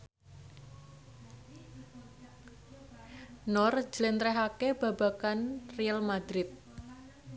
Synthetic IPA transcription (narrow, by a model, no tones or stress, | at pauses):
nɔr̥d͡ʒ̥əlɪnt̪ɾɛɦakeb̥a̤b̥akanrialmad̪ɾɪt̪̚